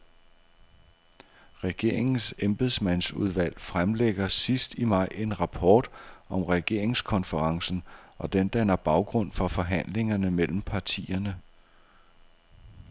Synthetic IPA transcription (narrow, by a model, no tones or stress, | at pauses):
ʁɛɡ̥e̝ɐ̰e̝ŋn̩semb̥eðˠsmæn̰suð̞ˠʋæl̰fʁamleɡ̥ɐsisd̥imɑ̈ɪ̰e̝nʁɑ̈pʰɒːd̥ɒ̽mʁɛɡ̥e̝ɐ̰e̝ŋskʰɒ̽nfəʁɑ̈ŋsn̩ɒ̽d̥end̥ænɐb̥ɑ̈ʊɡ̥ʁɔ̽n̰fɒ̽fɒ̽ɦæn̰le̝ŋɐnəmel̰m̩pʰɑ̈t͡sʰḭːɐnə